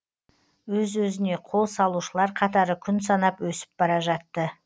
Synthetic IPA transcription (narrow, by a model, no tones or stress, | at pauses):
wɵzwɵzɪne̞qʰo̞lˠsɑlˠuʃəlˠɑɾqʰɑt̪ɑɾəkʲʰʏnsɑnɑpwɵsɪ̥p̚b̥ɑɾɑʒɑt̪ːə